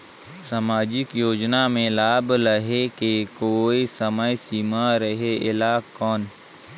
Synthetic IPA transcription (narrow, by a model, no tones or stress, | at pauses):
samaːd͡ʒɪkjoːd͡ʒnamẽlaːbləɦekekoːisəməjsiːmaɾəɦeʔɪlaːkːɔːn